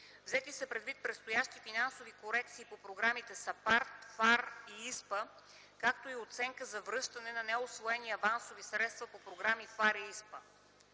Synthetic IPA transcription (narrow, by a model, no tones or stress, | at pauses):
vzɛt̪isəpɾɛd̪vit̪̚pɾɛt̪st̪ojaʃt̪ifinansovikoɾɛkt̪siːpopɾoɡɾamit̪ɛsɐpaɾt̪faɾiispə | kak̚t̪oiot̪sɛŋkəzɐvɾɤʃt̪ɐnɛnɐnɛosvoɛniɐvansovisɾɛt̪st̪vɐpopɾoɡɾamifaɾiispə